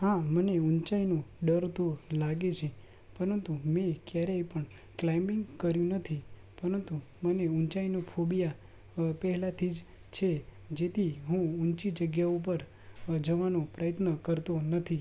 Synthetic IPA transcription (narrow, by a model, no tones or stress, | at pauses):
hãməneunt͡ʃainoɖəɾt̪olaɡet͡ʃʰe | pəɾənt̪umekjaɾepəɳ | klaimɪŋɡkəɾjũnət̪ʰi | pəɾənt̪u | məneunt͡ʃainofʰobija | pɛɦɛlat̪ʰid͡ʒ | t͡ʃʰe | d͡ʒet̪ʰiɦũunt͡ʃid͡ʒəɡjaup̬əɾ | d͡ʒəʋanopɾəjət̪nəkəɾt̪onət̪ʰi